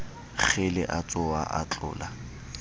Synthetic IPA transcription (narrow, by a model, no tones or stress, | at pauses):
k͡xʰelɪʔat͡sʼʊa̰ʔa̰t͡ɬʼʊ̰ːla